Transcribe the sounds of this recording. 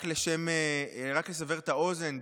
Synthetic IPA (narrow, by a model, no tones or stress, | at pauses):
kleʃemeʁakles̬aveʁetao̞ze̞n